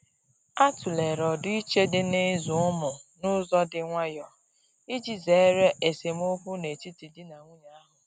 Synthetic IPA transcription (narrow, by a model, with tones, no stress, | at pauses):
a˦tu˨le˨ɾɔ˨dʊ˦i˦t͡ʃe˦dɪ˦ne˦zʊ˨ʊ˦mʊ˨nʊ˦zɔ˦dɪ˦ŋʷa˦jɔ˨ | i˦d͡ʒi˨ze˨˦ɾe˦ʔe˨se˨m˦o˦kʷu˦ne˨ti˦ti˨dɪ˦na˨ŋʷu˦ɲa˦a˦ɦʊ˨